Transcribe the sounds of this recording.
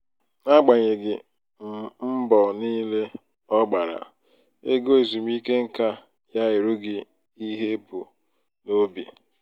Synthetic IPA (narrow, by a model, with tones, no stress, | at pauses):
na˦ɡ͡ba˨ɲe˨ɡɪ˨ | m̩˨m̩˦bɔ˨niː˦le˦ | ɔ˦ɡ͡ba˨ɾa̰˨ | e˦ɡo˦˨zu˨m˦i˦ke˦ŋ̩˦ka˦ | ja˦ɪ˨ɾu˦ɡɪ˨ | i˦ɦe˦bu˨ | no˦bḭ˨